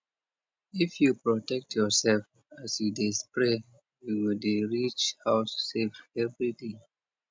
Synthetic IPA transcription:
ifjupɹɔtɛk̚tʰjɔsɛlf | asjudespɹe | juwildeɹit͡ʃhaʊsːevɛvɹide

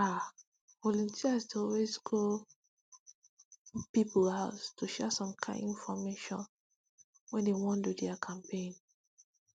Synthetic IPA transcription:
a | vɔlũntʰiasdɔlwezɡo | pipl̩haʊstʰuʃɛasɔ̃mkʰã̰ɪĩnfɔmeʃɔ̰̃n | wɛ̃ndewɔ̃ndudɛakʰãmpʰẽn

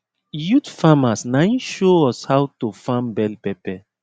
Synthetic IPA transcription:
jutfamasnaiʃoɔshawtofãmbɛlpɛpɛ

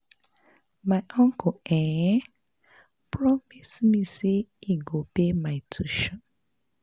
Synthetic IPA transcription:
maɪʔɔ̃ŋkʊeɲɛ | pɹɔmismiseiɡopemaɪtʰuʃɔ̃n

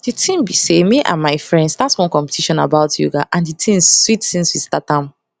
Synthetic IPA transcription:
ditʰĩmbisemiʔã̰nmaɪfɹɛ̃ndsdatswɔ̃nkɔ̃mpɛ̥tʰiʃɔ̃na̰baʊtʰjṵɡaʔãnditʰĩmswitsĩnswistatãm

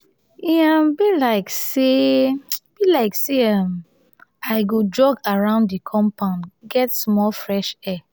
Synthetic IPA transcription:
iãmbilaɪkse | b̥ilaɪkseam | aɪɡod͡ʒɔɡaɹãʊ̃nddikʰɔ̃mpãʊ̃ndɡɛtsmɔlfɹɛʃɛ

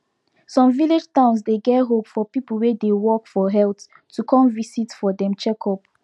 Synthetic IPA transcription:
sɔ̃mviled͡ʒtãʊ̃nsdeɡɛtɦopfɔpipəl̩wedewɔkfɔɦɛltː | ukʰɔ̃mvisitfɔdɛ̃mt͡ʃɛkʰɔp

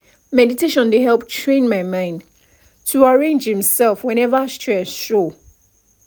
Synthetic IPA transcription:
mɛditeʃɔ̃ndeɦɛlˠptʰɹẽnmaɪmãɪ̃nd | tʰuaɹẽnd͡ʒhĩmsɛlˠfwɛ̃ñɛvastʰɹɛsʃo

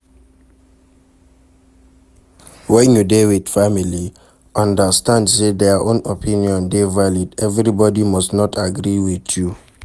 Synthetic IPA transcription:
wɛ̃njudewidfamili | ɔ̃ndastãndsedɛʔõnopʰĩniɔ̃ndevalidɛvɾibɔdimɔstnɔtʰaɡɾiwiθju

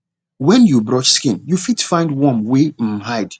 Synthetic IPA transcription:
wɛ̃njubɹɔt͡ʃskĩnjufitfãɪ̃ndwɔ̃mwehaɪd̥

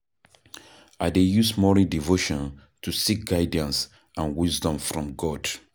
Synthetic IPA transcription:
ʔadejusmɔɹĩdivoʃɔ̃n | tʰusik̚ɡ̥aɪdə̃ns | ʔãnwizdɔ̃mfɹɔ̃mɡɔd̥

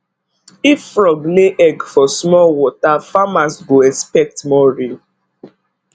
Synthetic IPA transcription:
ifːɹɔɡleʔɛɡfɔsmɔlwɔtafamasɡoɛspɛk̚tmɔɹi

